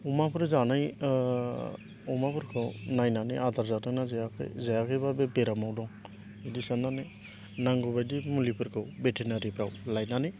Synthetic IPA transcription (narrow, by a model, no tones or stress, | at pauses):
umapʰɾɔzanaj | ɔmapʰɔɾkʰɯwnajnanɯad̪aɾzananazajakʰjzajakʰɯjbabebeɾamawdɔŋ | idisanane | naŋɡɔbajdimulipʰɯɾkʰɯwbetʰinaɾipʰɾawlajnanɯ